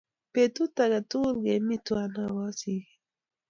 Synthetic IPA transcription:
pe˨tu˦ta˨ɡa˨tu˦˨ɡe˨mi˦twa˨na˦wa˦si˨

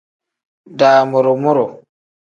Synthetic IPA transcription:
daːmɔ˨ɾɔ˨mɔ˦ɾɔ˨

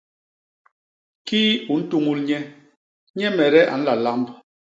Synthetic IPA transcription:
kiː˦u˨n̩˦tu˦ŋu˦lɲɛ˦ | ɲɛ˦mɛ˨ɾɛ˦ʔa̰˨n̩˦la˨la˦mb

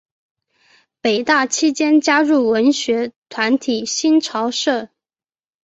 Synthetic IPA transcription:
pe˨˩ɪt̪a˥˩t͡ɕʰi˥t͡ɕjɛ˥nt͡ɕja˥ɻu˥˩wə˧˥nɕɥɛ˧˥t̪ʰwa˧˥nt̪ʰi˨˩ɕi˥nʈ͡ʂʰɑ˧˥ʊʂɤ˥˩

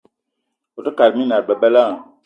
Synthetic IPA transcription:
o˨tə˦ka˨ɾmi˦na˨ɾbɛ˨bɛ˦la˦˨

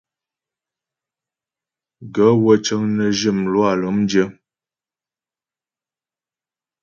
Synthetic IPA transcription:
ɡə˨˦wə˦t͡ʃə˦ŋnə˨ʒi˦˨mlwa˦˨lə˨˦mn˦d͡ʒə˦

